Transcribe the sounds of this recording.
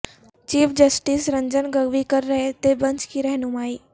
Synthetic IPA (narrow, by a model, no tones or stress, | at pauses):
t͡ɕiːfʰd͡ʑəsʈiːsɾɐ̃ɲd͡ʑənɡɐɡʋikɐɾːɐɦet̪ebɐ̃ɲt͡ʃkiɾɐɦɪnũmaːiː